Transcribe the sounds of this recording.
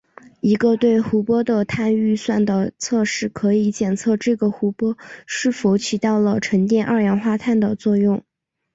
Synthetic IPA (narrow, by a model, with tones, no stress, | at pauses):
i˧˥ɡə˧t̪we˥˩ɪxu˧˥pwɔ˥d̪ə˨t̪ʰa˥˧ny˥˧swa˥˩nd̪ə˩t͡sʰɤ˥˧ʂɻ̩˥˩kʰɤ˧˥i˧˥t͡ɕjɛ˨˩nt͡sʰɤ˥˧ʈ͡ʂɤ˥˩ɡə˩xu˧˥pwɔ˥ʂɻ̩˥˩fu˧˥t͡ɕʰi˧˥t̪ɑ˥˩ʊlə˩ʈ͡ʂʰə˧˥ŋt̪jɛ˥˧nʔɑ˥˧˩jɑ˧˥nxwa˥˧t̪ʰa˥˩nd̪ə˩t͡swɔ˥˧jʊ˥˩ŋ